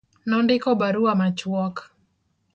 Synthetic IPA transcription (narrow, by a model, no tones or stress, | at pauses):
nɔndɪkɔbaɾuamat͡ʃwɔk